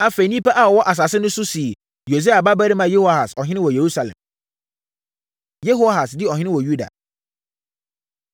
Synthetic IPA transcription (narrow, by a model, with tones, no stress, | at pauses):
a˦fe˨nĩ˦pa˦ʔa˨ɔ˨wɔ˦ʔa˨s̬a˨sɪ˦nʊ̃˦sʊ˦si˨ | jo˨s̬e˦a˨ba˦bæ˦ɾi˦mã˨je˦ho˦a˨ha˨sɔ˨ɦɪ̃˦nɪ̃˦wɔ˨je˨ɾu˦sa˨lɛ̰̃˨m | je˦ɦo˦ɦa˨sdɪ˦ɔ˨ɦɪ̃˦nɪ̃˦wɔ˨ju˦da̰˨